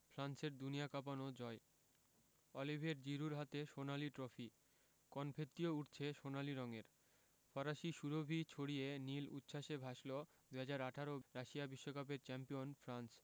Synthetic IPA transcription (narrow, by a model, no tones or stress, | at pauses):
fʰɾanseɾd̪uniakap̬anod͡ʑɔe | ɔlibʱeɾd͡ʑiɾuɾɦat̪eʃonaliʈɾofi | kɔnpʰet̪ːiouʈt͡ɕʰeʃonaliɾɔŋeɾ | fɔɾaʃiʃuɾobʱit͡ɕʰoɽienilṵt̪ːʃʰaʃebʱaʃlo | d̪uɦad͡ʑaɾaʈʰaɾoɾaʃiabiʃːokapeɾt͡ɕɛmpionfʰɾans